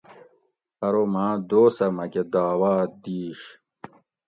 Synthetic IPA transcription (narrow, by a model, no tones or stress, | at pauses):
ɐɾomaːd̪oːsɐmɐked̪aːwaːd̪iːɕ